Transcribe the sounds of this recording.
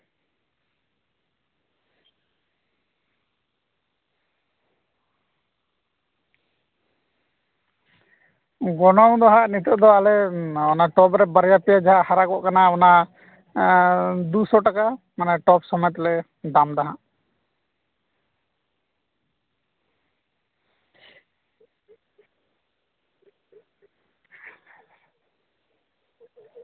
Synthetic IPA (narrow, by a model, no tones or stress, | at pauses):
ɡɔnɔŋd̪ɔɦaʔnit̪ɔʔd̪ɔalɛɔnaʈɔpɾɛbaɾjapɛjad͡ʒaɦaʔhaɾakɔʔkanaɔna | d̪usɔʈaka | manaʈɔpsɔmɛt̪lɛ | d̪amd̪aɦaʔ